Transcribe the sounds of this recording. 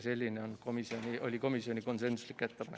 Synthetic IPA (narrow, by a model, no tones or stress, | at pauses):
se̞lʲːineo̞nko̞misio̞nʲiʔo̞lʲiko̞misio̞nʲiko̞nse̞nsu̥slikːˑet̪ːepɑne